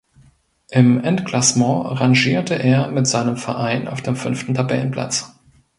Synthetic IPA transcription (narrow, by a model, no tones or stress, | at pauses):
ʔɪmʔɛntklasmɔ̃aʁaŋʒiːɐtəʔeːɐmɪtz̥aɪnəmfɛɐʔaɪnʔa̰ʊfd̥eːmfʏnftn̩tʰabɛ̰lən̩pʰl̥a̰t͡s